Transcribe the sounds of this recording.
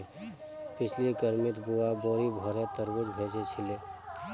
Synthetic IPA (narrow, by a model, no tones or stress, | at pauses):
pɪt͡ʃʰlikəɾmɪt̪buaboːɾibʱɔɾet̪əɾwəd͡ʒbʱeːd͡ʒet͡ʃʰɪleː